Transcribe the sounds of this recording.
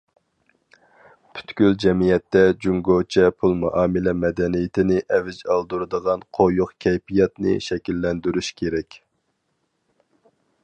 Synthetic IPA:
pʰy̥t̪kʲyld͡ʒɛmijɛt̪ːɛd͡ʒuŋɡot͡ʃʰɛpʰulˠmɑʔɑːmɨlɛmɛd̪ɛnijɪt̪ʰɪnɪʔɛvɪd͡ʒɑlˠd̪uɾɨd̪əʁɑnqʰojʊqkʲʰɛjpijɛt̪nɪ̰ʃɛkʲilːɛnd̪yɾyʃkʲʰeɾɛkʲ

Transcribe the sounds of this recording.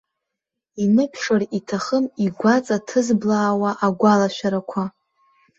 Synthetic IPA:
inɨpʰʂaritʰaχəmiɡʷat͡sʼatʰɨzblaːwaʔaɡʷalaʃʷᶣaɾakʷʰa

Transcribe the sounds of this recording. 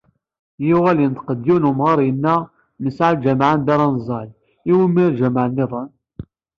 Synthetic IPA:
jʊʁælint̪qəd̪ːiwnumʁɑɾˤjənːæ | məsʕald͡ʒæmʕand̪æɾˤɑnzˤɑl | iwimːiɾʒəmʕənːeðˤən

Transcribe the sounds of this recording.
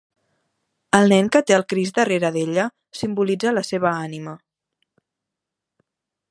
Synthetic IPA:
əlˠnɛŋkət̪eəlˠkɾizd̪əreɾəðeʎə | simbulid͡zələseβ̞əanimə

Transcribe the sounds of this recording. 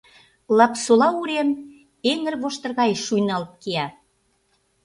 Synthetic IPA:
lɑpsolɑuɾem | eŋə̆rβoʃt̪ərɣɑjʃujnɑlt̪̚keɑ

